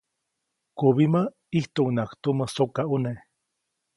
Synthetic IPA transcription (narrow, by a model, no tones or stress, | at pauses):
kuβima | iht̪uʔunakt̪uməsokaune